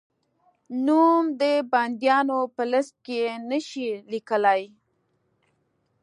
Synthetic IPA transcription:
numd̪əband̪jɑnopələst̪̚kejenəʃilikəlaj

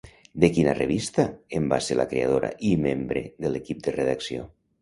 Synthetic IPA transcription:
d̪ekinareβ̞ist̪aemba̰seɾla̰kɾeaðoɾa̰ʔimembɾeðəlekip̚d̪əreðaksio

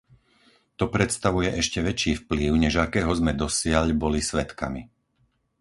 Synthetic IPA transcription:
t̪ɔpɾɛt̪st̪aʋujɛʔɛʃcɛʋɛt͡ʃiːfpliʊɲɛʒakɛːɦɔzmɛd̪ɔsɪaʎbɔlisʋɛt̪ka̰mi

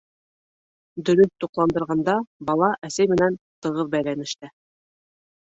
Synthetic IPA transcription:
d̪ɵ̆ɾɵθt̪uqlˠɑnd̪ɤ̆ɾʁɑnd̪ɑbɑlˠɑʔæsæjmɘ̆nænt̪ɤ̆ʁɤɾbæjlænɘ̆ʃt̪ɘ

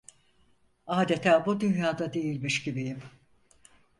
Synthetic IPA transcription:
aːd̪et̪ʰæːbud̪ynjaːd̪ad̪e̞jilʲmiʃɟibijim

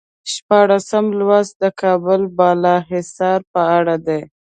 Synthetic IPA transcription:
ʃpɑɽasamlwazd̪əkʰɑbʊlbɑlɑɦɪsɑɾpəaɽad̪e

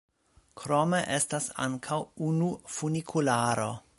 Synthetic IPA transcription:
kʰɾomeʔestasa̰ŋkʰawunufunikʰulaːɾo

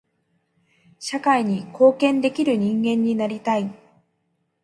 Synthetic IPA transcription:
ɕakaiɲ̟iko̞ːkẽ̞nd̪e̞kʲiɾɯ̟ɲ̟ĩŋɡẽ̞ɲ̟ːinaɾʲit̪ai

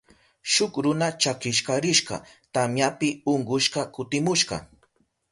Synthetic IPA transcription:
ʃʊkɾʊnat͡ʃakɪʃkɑɾɪʃɢɑ̰t̪amjapɪoɴɢʊʃqɑkʊt̪ɪmʊʃɢɑ̰

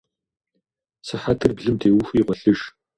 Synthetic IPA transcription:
sɨħatʰɨrbɮɨmtʰeːwʊxʷiːʁʷɔɬɨʒ

